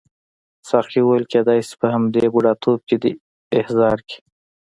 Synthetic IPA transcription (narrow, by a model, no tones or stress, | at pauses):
sɑxiwoəlked̪ɑjse̥pəhamd̪ebuɽɑt̪ʰob̚ked̪ə | ɪhzɑɾki̥